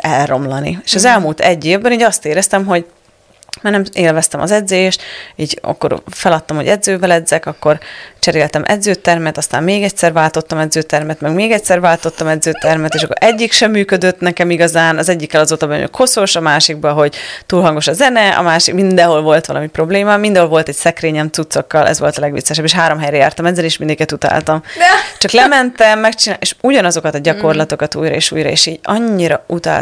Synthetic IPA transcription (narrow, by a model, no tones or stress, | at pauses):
ɛlro̞mlɒnḭeːʃɒzɛlmuːlt̪ɛɟːeːvbɛniːɟɒst̪eːɾɛst̪ɛmɦo̞ɟ | maːrnɛmeːlvɛst̪ɛmʔɒ̰zɛd̪zøːjeʃt̪iːɟɒ̰kːo̞̰ɾfɛlɒt̪ːɒmho̞ɟɛd̪zøːvɛlɛd̪zɛkɒkːo̞rt͡ʃɛɾeːlt̪ɛmʔɛ̰d̪zøːt̪ɛrmɛt̪ɒst̪a̰ːmmeːɡɛcsɛrvaːlt̪o̞t̪ːɒmɛd̪zøːt̪ɛrmɛt̪mɛɡmeːɡɛcsɛrvaːlt̪o̞t̪ːɒmɛd̪zøːt̪ɛrmɛt̪eːʃɒkːoɾʔɛɟːikʃɛmːyːkød̪øt̪nɛkɛmiɡɒzaːnɒzɛɟːikːɛlɒzoːt̪ɒbɛnø̰kho̞so̞ʃɒmaːʃiɡ̚bɒɦo̞ɟt̪uːlɦɒŋɡo̞ʃɒzɛnɛɒ̰maːʃikmind̪ɛɦo̞lvo̞lt̪ʋɒlʔɒmipro̞bleːmɒmind̪ɛɦolvo̞lt̪ɛcsɛkreːɲɛmt̪sut̪so̞kːɒlʔɛ̰zvʋo̞̰lt̪ɒlɛɡʋḭt̪sːɛʃɛbːeːʃɦaːɾo̞mɦɛjɾɛja̰ːrt̪ɒmɛzːɛneːʃmind̪ɛŋkikɛt̪ut̪a̰lt̪ɒmt͡ʃɒklɛmɛnt̪ɛmːɛkt͡ʃinaeʃuɟɒnɒzo̞kɒt̪ɒɟɒko̞rlɒt̪o̞kɒt̪ṵːjɾɒ̰ḛːʃṵːjɾɒ̰ḛːʃiːɟɒɲːiɾɒ̰ut̪a̰l